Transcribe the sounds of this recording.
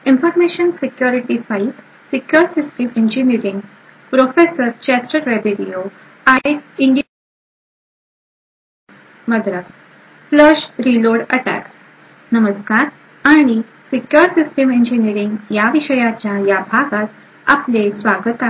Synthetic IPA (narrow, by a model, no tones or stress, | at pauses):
infəɾmeɕənsikjuɾiʈifait | sikjəɾsisʈəmeɲd͡ʑiniɾiŋɡ | pɾofesəɾt͡ɕɛsʈəɾɾebeɾijo | aiɳɖ | məd̪ɾa | pləɕɾiloɽəʈæ̰ks | nəməskaɾ | aɽ̃i | sikjəɾsisʈəmeɲd͡ʑiniɾiŋɡjaʋiɕəjat͡ɕjajabʱaɡat̪̚ | a̰plesʋaɡət̪a